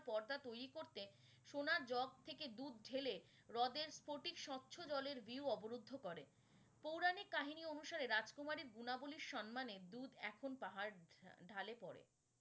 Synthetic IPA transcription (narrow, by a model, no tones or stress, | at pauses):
pɔɾd̪at̪ojɾikoɾt̪e | ʃonaɾd͡ʑɔɡ̚t̪ʰeked̪ud̪̚ɖʱele | ɾɔd̪eɾspoʈikʃɔt̪ːɕʰod͡ʑɔleɾviuɔboɾod̪ʱːokɔɾe | powɾanikaɦinionuʃaɾeɾad͡ʑkomaɾiɾɡunaboliɾʃɔnmaned̪ud̪ɛkʰonpaɦaɾɖʱalepɔɾḛ